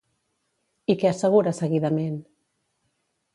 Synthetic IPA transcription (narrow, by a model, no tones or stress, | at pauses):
ikeəsəɣ̞uɾasəɣiðəmen